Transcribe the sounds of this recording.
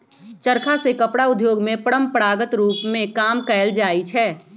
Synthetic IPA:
t͡ʃəɾkʰasekəpɽaʊd̪ʱjoːɡmẽpəɽəmpɾaːɡət̪ɾuːpmẽkaːmkɛːld͡ʒaːit͡ʃʰɛː

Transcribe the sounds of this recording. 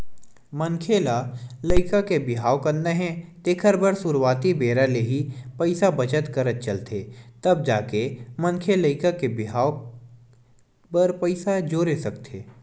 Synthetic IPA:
mə̃ŋkʰeːlaləɪkakebɪɦaːokəɾnd̪eɦɛ̃t̪eːkʰəɾbəɾsʊɾwaːt̪ibeːɾaleɦipəɪsabɐt͡ʃət̪kɐɾət̪̚t͡ʃəlt̪ʰeːt̪ɐb̚d͡ʒaːkemə̃ŋkʰeləɪkakebɪɦaːw | pəɾpəɪsad͡ʒoːɾesɐkt̪ʰeː

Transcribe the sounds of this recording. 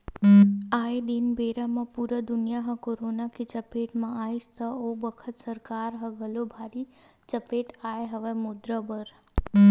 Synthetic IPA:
aːed̪inbeːɾamãpuːɾəd̪ʊnijaɦɐ̃koːɾoːnakit͡ʃəpeːʈmãaːist̪əobəkʰət̪səɾkaːɾɦɐɡʱəlobʱaːɾi | t͡ʃəpeːʈaːeɦəʋemʊd̪ɾəbəɾ

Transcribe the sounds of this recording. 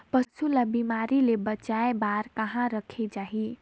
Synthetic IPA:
pəsulabimaɾilebət͡ʃaebaɾkəɦãɾəkʰed͡ʒaɦi

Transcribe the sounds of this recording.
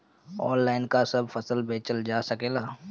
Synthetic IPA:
ɔ̰ːnlːaːɪnkasɐbfɐsəlbʱeːt͡ʃəld͡ʒaːsɐkeːlaː

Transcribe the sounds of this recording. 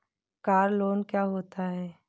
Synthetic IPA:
kaːɾloːnkjaːɦoːt̪aɦɛː

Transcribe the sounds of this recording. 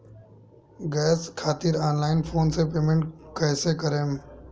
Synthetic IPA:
ɡɛːskʰaːt̪ɪɾaːnlaːɪnfʰoːnsepeːmẽɳʈkɛːsekəɾẽːm

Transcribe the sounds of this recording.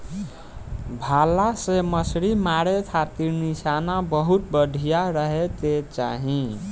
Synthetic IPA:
bʱalasemʌsɾimaɽekʰat̪iɾnisanabʌɦut̪̚bʌd̪ʱijaɾʌɦet̪et͡sa̰ɦĩ

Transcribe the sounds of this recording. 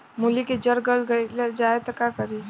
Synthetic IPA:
muliked͡ʒəɾɡəlɡəd͡ʒaet̪ɔkakəɾi

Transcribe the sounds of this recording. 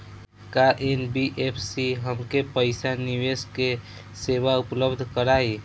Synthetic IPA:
kaʔenbiʔepʰsiɦəmkepəɪsaniʋeske | seʋaʊpləbd̪ʱkəɾaːi

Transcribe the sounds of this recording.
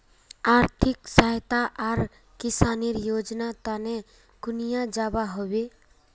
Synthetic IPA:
aɾt̪ʰiksaɦt̪aʔaɾ | kisaniɾjod͡ʒnat̪ane | ɡ̥ʊnijad͡ʒabaɦobe

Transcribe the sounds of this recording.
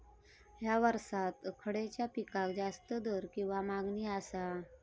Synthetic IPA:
jaʋəɾsat̪kʰəɽet͡ɕjapikakd͡zast̪əd̪oɾkĩw̃ʋamaɡniasa

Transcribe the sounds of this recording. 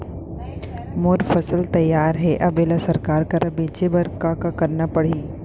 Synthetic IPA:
mʊɾfɐsəlt̪ɐjːaːɾɦɛʔɐbeːlasɐɾkaːɾkaɾɐbiːt͡ʃebɐɾkakakɐɾnapɐɽ̤iː

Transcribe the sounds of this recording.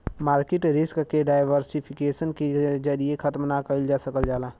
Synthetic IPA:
maːɾkɪʈɾɪskkeɖaːɪʋəɾsipʰɪkeːsənked͡ʒəɾiekʰət̪mnakəld͡ʒasəkəld͡ʒaːla

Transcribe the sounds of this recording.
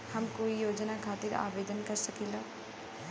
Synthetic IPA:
hɐmkoːijoːd͡ʒnakʰaːt̪ɪɾa̰ːʋeːd̪ənkɐɾsɐkeːlaː

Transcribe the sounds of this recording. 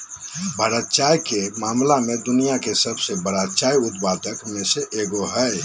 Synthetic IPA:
bʱəɾət̪̚t͡ʃajkemamlamed̪unijakesəbsebəɾət̪̚t͡ʃajut̪̚pat̪əkmeseʔeɡoɦə

